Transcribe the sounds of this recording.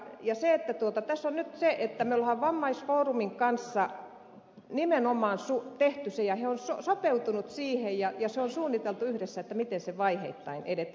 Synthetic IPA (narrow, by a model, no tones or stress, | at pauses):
jɑseet̪ːæt̪uot̪ɑt̪æsːonnyt̪seʔet̪ːæmeolhɑʋʋɑmːɑisfoːrumiŋkɑnsːɑ | nimenomɑːnsut̪eht̪ysejɑheonso̰sopeut̪unut̪siːhejjɑjɑseonsuːnːit̪elt̪uyhɾesːæet̪ːæmit̪enseʋɑihḛit̪ːɑinḛdet̪